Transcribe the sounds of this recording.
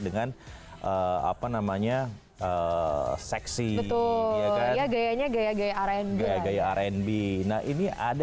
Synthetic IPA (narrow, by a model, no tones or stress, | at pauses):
dəŋanʔəa̰panamaɲa | əsɛksibət̪ʊlaajaɡajaɲaɡajaɡajaaɾɛnbajaɡajaːɾɛnbenahiniʔa̰d